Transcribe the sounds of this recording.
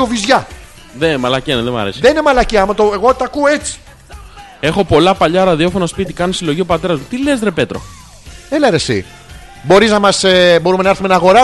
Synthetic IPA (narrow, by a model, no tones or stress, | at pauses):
ovizʝɐ | ðemɐlɐceneðemɐ̰ɾḛsiðeninemɐlɐciɐmɐt̪oeɣo̞t̪ɐkuoet͡si̥ | e̞xo̞po̞lɐpɐʎɐɾɐðio̞fo̞nɐspit̪ikɐnosilo̞ʝio̞pɐt̪e̞ɾɐzmut̪ile̞zðɾepe̞t̪ɾo̰ | eleɾesḭ | bo̞ɾiznɐmɐsebo̞ɾume̞nɐeɾθumenɐːɣo̞ɾɐ